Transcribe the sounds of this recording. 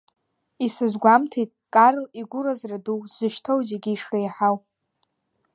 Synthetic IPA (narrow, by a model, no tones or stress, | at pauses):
isɨzɡʷamtʰejtʼkʼaɾliɡʷʊɾazraduwz̥ɨʃtʰowzeɡʲiiʂrajħaw